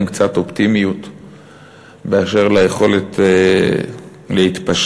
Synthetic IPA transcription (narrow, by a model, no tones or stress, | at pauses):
mkt͡sat̪o̞pt̪imijut̪ | beaʃe̞ʁlajeχo̞let̪ | lehit̪paʃ